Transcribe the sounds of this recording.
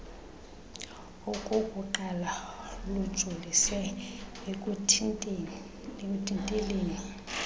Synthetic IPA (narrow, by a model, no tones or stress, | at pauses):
ɔkʼukʼuǃalalud̥ʒ̥ʱulisɛ | kʼ | kʼutʰʼintʼeleːni